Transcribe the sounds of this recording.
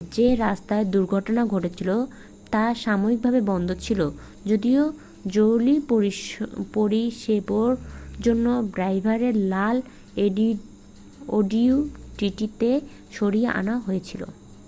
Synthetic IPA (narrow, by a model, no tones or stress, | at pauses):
d͡ʑeɾast̪aed̪uɾɡʱɔʈonaɡʱoʈet͡ɕʰilo | t̪aʃamoɾik̚bʱabebɔnd̪ʱot͡ɕʰilo | d͡ʑod̪io | d͡ʑowlipoipoɾiʃeboɾd͡ʑonːobɾajbʱaɾeɾlal | eɖi | oɖiuʈiʈit̪e | ʃoɾijeʔa̰naoɦojet͡ɕʰilo̰